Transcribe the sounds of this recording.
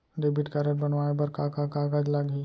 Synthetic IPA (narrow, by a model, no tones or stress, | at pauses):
ɖebɪʈkaɾəʈ̚bɐnʋaːebɐɾkakakaːɡaːd͡ʒlaɡi